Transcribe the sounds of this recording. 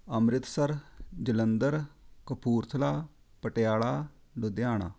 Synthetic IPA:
əmɾɪt̪səɾd͡ʒələnd̪əɾkəpʰuːɾt̪ʰəlaː | pəʈejaːɭaː | ɖʊd̪jaːɳ̃a̰ː

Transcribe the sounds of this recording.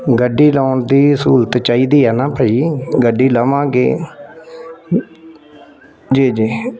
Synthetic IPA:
ɡəɖːiːlaːɳd̪iːsuːlt̪t͡ʃaːiːd̪iːɛːnaːpəiːɡəɖiːləʋãːɡḛː | d͡ʒiːd͡ʒiː

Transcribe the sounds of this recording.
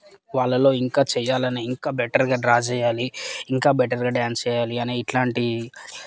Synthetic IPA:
ʋaːɭːɐlo̞ːiŋkaːt͡ʃɛːjaːlɐneiŋkaːbɛʈɐɾɡaːɾaːd͡ʒɛːjaːliːŋkaːbɛʈɐɾɡaːɖaːnsɛːjaːliɐneːiʈlaːɳʈi

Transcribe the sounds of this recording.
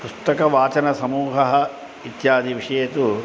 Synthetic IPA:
pust̪ɐkɐʋaːt͡ʃɐnɐsɐmuːɦɐɦɐ̆ | it̪jaːd̪ʱiʋiʂɐjɐt̪u

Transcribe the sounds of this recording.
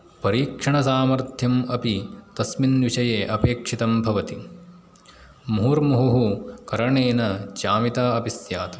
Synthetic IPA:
pɐɾiːkʂɐɳɐsaːmɐɾt̪jɐmɐpit̪ɐsminʋiʂɐjeːʔɐpeːkʂit̪ɐmbʱɐʋɐt̪i | muɦuːɾmuɦuɦukɐɾɐɳeːnɐt͡ʃaːmit̪aːɐpisjaːt̪ɐ

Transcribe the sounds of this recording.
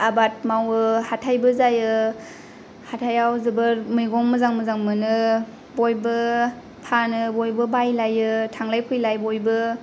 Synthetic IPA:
abat̚mawɯhatʰajbɯzajɯ | hatʰajawzɯbɯɾmɯjɡɔŋmɯzaŋmɯzaŋmɯnɯ | bojbɯ | pʰanɯbojbɯbajlajɯtʰaŋlajpʰɯjlajbojbɯ

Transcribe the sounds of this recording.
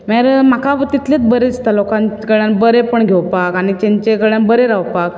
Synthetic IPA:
maɾmakapt̪it̪let͡sbəɾest̪alokãnkəɭjanbəɾepəɳɡʱewpakaɽ̃it͡ɕẽɲt͡ɕekəɭjãnbəɾeɾawpak

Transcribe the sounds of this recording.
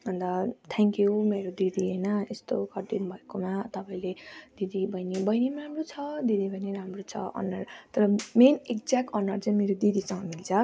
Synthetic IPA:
ʌnd̪ʌt̪ʰeŋkjumeɾod̪id̪ʱiɦejnʌest̪okʌʈinbʱʌekomat̪ʌpãĩled̪̥id̪ibʌjnibʌjnimamrot͡sʰʌd̪id̪ʱibʱʌjneɾamrot͡sʰʌ̰ʌ̰nʌrt̪ʌɾʌmenek̚d͡zakʌnʌrt͡sʌĩmeɾod̪id̪isʌŋɡʌmilt͡sʰʌ

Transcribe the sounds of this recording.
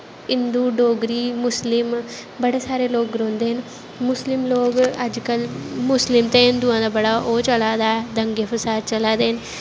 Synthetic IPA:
ɪnd̪uːɖoːɡɾiːmʊslɪm | bəɽeːsaːɾeːloːɡɾõːnd̪eːɦən | mʊslɪmloːɡəd͡ʒkəlmʊslɪmt̪eːɪnd̪uːãːd̪aːbəɽaːʔoːt͡ʃəlaːd̪aːɛːd̪əŋɡeːpʰəsaːɾt͡ʃəlaːd̪eːɦən

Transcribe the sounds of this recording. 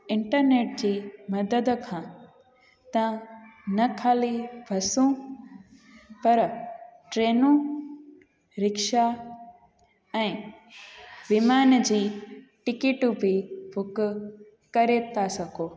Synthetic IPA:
ɪ̃ɳʈəɾneːʈ̚d͡ʑiːmɐd̪əd̪kʰãː | t̪ɐʋãnɐkʰaːlibʱɐsũ | pɐɾʈɾeːnũ | ɾɪkʃa | ɛ̃ː | biːmaːnd͡ʑiːʈɪkeʈbɪbʱʊkʊ | kɐɾet̪ʰasɐɡʱoː

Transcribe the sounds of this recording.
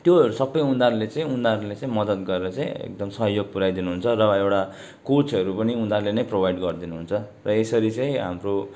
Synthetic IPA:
t̪joɦʌɾusʌbːʌjund̪aɾulet͡sʌĩund̪aɾulet͡sãĩmʌd̪ʌt̪ɡʌɾeɾʌt͡sãĩḛk̚d̪ʌmsʌɦjoɡ̚puɾajd̪inuɦunt͡sʰʌrʌewʈa | kot͡sʌɾupʌniund̪arlenʌjprobʱajɖɡʌrd̪inuɦunt͡sʰʌ | rʌesʌɾit͡sʌj̃ɦa̰mro

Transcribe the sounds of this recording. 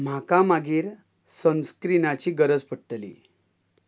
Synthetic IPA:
m̤akamaɡiːɾ | sə̃nskɾinat͡ɕiːɡəɾəd͡zpəɽʈlḭ

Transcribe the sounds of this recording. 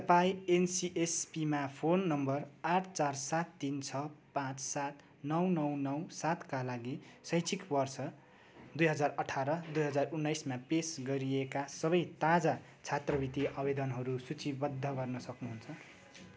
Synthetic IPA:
t̪ʌpajensiʔespimapʰonːʌmbʌraʈʰt͡sarsat̪ːint͡sʰʌpãt͡ssat̪ | nʌwnʌwnʌwsat̪kalaɡisʌjt͡sʰikbʌrsʌ | d̪ujɦʌd͡zarʌʈʰaɾʌd̪ujɦʌd͡zarunːʌjsmapesɡʌɾiekasʌβʌjt̪ad͡za | t͡sʰat̪rʌbit̪iʌbed̪ʌnɦʌɾusut͡sibʌd̪ʱːʌɡʌrnʌsʌknuɦunt͡sʰʌ

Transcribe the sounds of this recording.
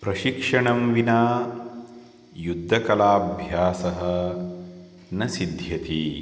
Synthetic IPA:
pɾɐʃikʂɐɳɐmʋinaː | jud̪ʱːɐkɐlaːbʱjaːsɐɦɐ | nɐsid̪ʱjɐt̪i

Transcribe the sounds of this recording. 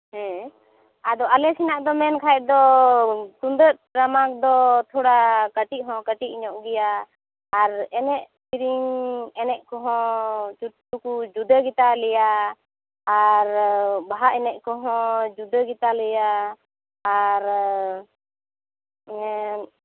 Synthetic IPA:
ɦɛ̃ | ad̪ɔalɛsinaʔd̪ɔmɛnkʰaɛʔ̚d̪ɔ | t̪und̪ət̪̚ɾamak̚d̪ɔt̪ʰɔɽakəʈiʔ̚ɦɔ̃kəʈiʔiɲɔʔɡɛjaː | ɾɛnɛʔtiɾiŋɛnɛʔ̚kɔɦɔ̃t͡ʃutːukud͡ʒud̪əɡit̪alɛjaː | ɾbaɦaʔɛnɛʔkɔɦɔ̃d͡ʒud̪əɡit̪alɛjaː | ɾ

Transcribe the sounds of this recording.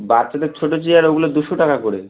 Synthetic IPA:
baɾt͡ɕad̪eɾt͡ɕʰoʈot͡ɕeaɾoɡulod̪uʃoʈakakoɾḛ

